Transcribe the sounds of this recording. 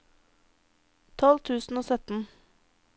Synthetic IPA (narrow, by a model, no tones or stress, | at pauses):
t̪ʰɔlt̪ʰʉːsn̩oːsœt̪n̩